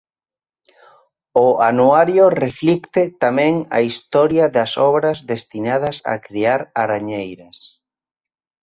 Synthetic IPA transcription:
ʊanuaɾjʊreflikt̪ɪt̪amɛ̃ŋɐ̰ist̪ɔɾjɐðɐsɔβɾɐzðest̪inaðɐsa̰kɾiaɾaɾaɲejɾɐs

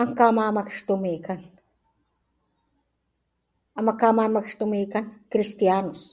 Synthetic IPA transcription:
aŋkamamakʃt̪umikan | amakamamakʂt̪umikankɾist̪janos

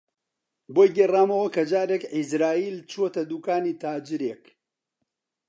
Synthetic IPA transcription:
boːjɡeraːmɐwɐkɐd͡ʒaːɾeːkʕizɾaːiːlt͡ʃʰot̪ɐd̪uːkaːniːt̪ʰaːd͡ʒɨɾeːk

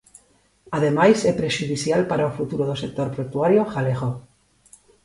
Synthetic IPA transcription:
aðe̞majsepɾeʃuðiθjalpaɾaofut̪uɾoðosek̚t̪oɾpɾot̪uaɾjoxaleɣo

